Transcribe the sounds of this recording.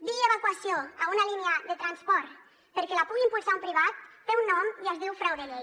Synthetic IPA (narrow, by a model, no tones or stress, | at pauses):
d̪ieβakwasioaunalineəðet̪ɾanspɔɾt̪ | pəɾkelapuɣimpulˠsaumpɾiβat̪̚feunːɔmiəzðiwfɾawðele